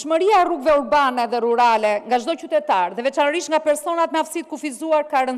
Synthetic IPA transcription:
ʃməɾiaruɡvɛuɾbanɛðɛɾuɾalɛŋɡaʒd̪ɔcyt̪ɛt̪aɾðɛvɛt͡ʃanəɾiʃt̪ŋɡapɛɾsɔnat̪̚mɛafsit̪̚kufizuaɾkaɾən

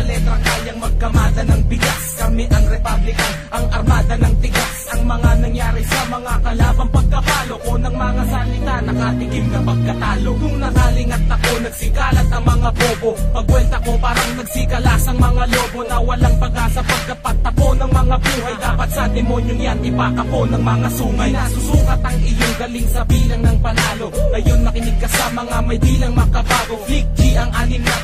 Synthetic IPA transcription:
ɐlɛt̪ɾɐkaːljɐŋmɐɡ̚kɐmaːd̪ɐnɐŋbɪɡaskɐmɪʔɐŋɾɛpablɪkɐnʔɐŋʔɐɾmaːd̪ɐnɐŋt̪ɪɡasɐŋmɐŋanɐŋjaːɾɪsɐmɐŋakɐlaːbɐnpɐɡ̚kɐbaːlo̞konɐŋmɐŋasɐlɪt̪anɐŋʔat̪ɪɡɪmnɐpɐɡ̚kɐt̪aːlonʊŋnɐɡaːlɪŋɐt̪ːɐkonɐɡ̥̚sɪkaːlɐt̪ɐŋmɐŋaboːbopɐɡwɛlt̪ɐko̞paːɾɐŋnɐɡ̚sikɐlaːsɐŋmɐŋalo̞ːbo̞nɐwɐlaŋpɐɡasɐpɐɡ̚kːɐpɐt̪ːɐponɐŋmɐŋabuːɦɐjd̪aːpɐt̪̚sɐd̪ɛmo̞njoŋjanɪbakɐponɐŋmɐŋasuːmajnasʊsuːkɐt̪ɐŋɪjoŋɡɐliŋsɐbiːlɐŋnɐŋpɐlaːlo̞ɡɐjonːɐkɪnɪɡ̚kɐsaːmɐŋɐmɐjbiːlɐŋmɐkɐbaːɡolik̚t͡ʃiʔɐŋʔaːnɪmɐ

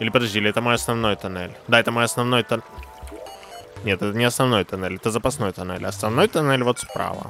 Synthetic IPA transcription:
ilʲɪpəd̪ɐzʲilʲɪɛt̪əmojɐsnɐvno̞jt̪ɐnɛ̰lʲd̪aɛt̪əmojɐsnɐvno̞jt̪ɐn | nʲet̪ɛt̪ənʲɪɐsnɐvno̞jt̪ɐnɛlʲɛt̪əzəpɐsno̞jt̪ɐnɛ̰lʲɐsnɐvno̞jt̪ɐnɛlʲvo̞t̪spɾa̰və̰

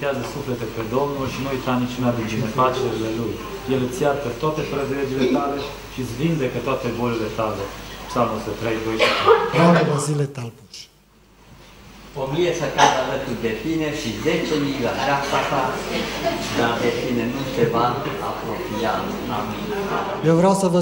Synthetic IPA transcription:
t̪eazəsuflet̪ɛped̪omnulʃinuujt̪anit͡ʃunad̪ind̪inefat͡ʃeɾilelujjelət͡siakət̪oat̪epɾəd̪led͡ʒilet̪ale | ʃisvind̪ɛkət̪oat̪ebolelet̪alepsalmosət̪ɾejd̪ojnalevozilet̪alp̪iʃ | omiesəkad̪alət̪ud̪epineʃizet͡ʃemiɡaɾasat̪a | d̪ad̪epinenusevaː | pɾopiat̪ | ami | jewvɾawsəvə

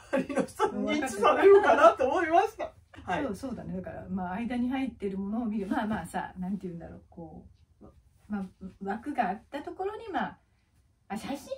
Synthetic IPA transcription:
aɾʲinosanɲːit͡ɕisanejokanat̪ːeomoimaɕi̥t̪a | soːso̞ːd̪ane̞d̪aka̰ɾa̰maːid̪aɲ̟iɦait̪ːe̞ɾɯ̟mo̞no̞ːmʲiɾɯ̟maːmaːsa̰nãnt̪ejɯ̟̃nd̪a̰ɾo̞̰ːko̞ː | maβakɯ̟ɡaːt̪ːat̪o̞ko̞ɾo̞ɲ̟imaː | aɕaɕĩ

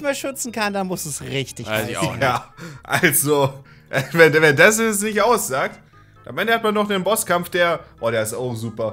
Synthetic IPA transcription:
maːlʃʏt͡sn̩kʰandanmʊsɛsʁɪçtɪç̰jaːʔalzo | ʔɛvɛnvɛndas̬ɛsnɪçtʔaʊsz̥aːk̚t | amʔɛndəhatmanːɔχd̥enbɔskamfd̥eːɐʔoːɾeːɐɪstaʊxz̥uːpɐ

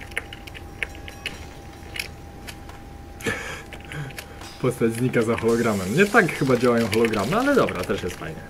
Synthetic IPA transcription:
pɔst̪ad͡ʑzɲikazaxɔlɔɡɾamɛmɲɛt̪akxɘbad͡ʑawajɔ̃w̃xɔlɔɡɾamɘalɛd̪ɔbɾa̰t̪ɛʂjɛst̪fa̰jɲɛ

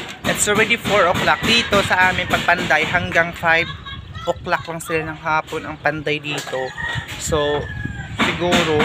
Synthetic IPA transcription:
ʔɪt̪sʔɔlɹɛd̪ifoɹoklak̚d̪iːt̪o̞sɐʔaːmɪŋpɐɡ̚pɐnd̪ajɦɐŋɡaŋfajvʔoklaklɐŋsɪlanɐŋɦaːponɐŋpɐnd̪ajd̪iːt̪o̞so | sɪɡuːɾo

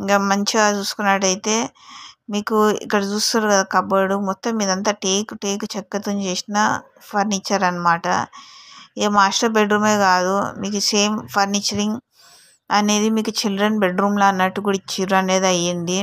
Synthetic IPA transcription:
iŋkɐmɐɲt͡ʃiat͡ʃuːsu̥kunːɐʈɐjit̪e̞ːmiːkuḭkːɐɽɐt͡ʃuːst̪uɾkɐd̪aːkɐbɐɽumɔt̪ːɐmːiːd̪ɐnt̪aːʈeːkʈeːkt͡ʃɛkːɐt̪uɲt͡ʃeːsinɐ | pʰɐɾniːt͡ʃːɐɾɐnːɐmaːʈɐ̰ | eːmaːʂʈɐɾbeɖɾuːme̞ːkaːd̪umiːkuseːmpʰɐɾniːt͡ʃɐɾiŋɡ | ɐne̞ːd̪imiːkut͡ʃildɾɐnbeɖɾuːmloɐnːɐʈːukuɽit͡ʃiɾɐneːd̪ɐjind̪i

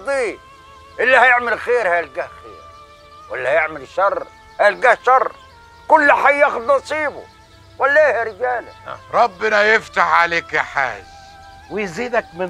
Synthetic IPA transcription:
d̪ˤiː | ʔɪlːihajɪʕmɪlxeːɾhaːlɡahxḛːɾ | walːahajɪʕmɪlʃɑrˤrˤː | halɡahʃɑrˤː | kʊlːħajːaxʊd̪nɑsˤiːbʊ̰ | walːahaɾɪd͡ʒaːlɪ̰ɾˤɑbːɪnajɪft̪aħʕaleːkħa̰ːz | wɪjziːd̪akmɪ

